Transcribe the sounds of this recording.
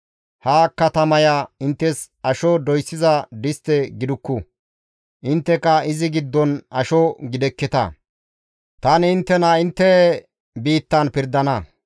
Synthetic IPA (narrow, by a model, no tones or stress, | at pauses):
haːkːɐt̪ɐmɐjaɪnt̪ːɛs | ɐʃɔd̪ɔjsːɪzɐd̪ɪst̪ɛɡɪd̪ʊkːʊ | ʔɪnt̪ːɛkɐɪzɪɡɪd̪ːɔnɐʃɔɡɪd̪ɛkːɛt̪ɐ̰ | t̪ɐnɪnt̪ːɛnɐɪnt̪ːɛ | biːt̪ːɐnpɪɾd̪ːɐnɐ